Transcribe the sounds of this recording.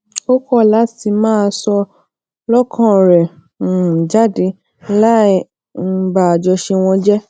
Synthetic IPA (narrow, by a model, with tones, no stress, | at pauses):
o˦kɔ˦˨la˨˦ti˧mãː˦˧sɔ˧ | lɔ˦kʰã˦˨ɾɛ˨ | d͡ʒa˦de˧ | la˦˧ | ba˨d͡ʒɔ˧ʃe˧w̃ɔ̃˧d͡ʒɛ˦